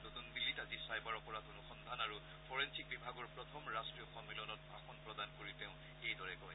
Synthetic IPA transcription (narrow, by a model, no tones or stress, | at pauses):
notundilːitazisajbaɹɔpɔɹatonuxɔnd̪ʱanaɹu | pʰɔɹensik̚bibʱaɡɔɹpɹɔt̪ʰɔmɹastɹiɔxɔmilɔnɔt̚bʱaxɔnpɹɔdankoɹiteʊ̃ | ejdɔɹɛɡɔj